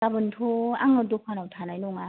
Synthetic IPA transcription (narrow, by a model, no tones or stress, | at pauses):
abɯntʰoa̰ŋɯdop̚ʰanawtʰanajnoŋa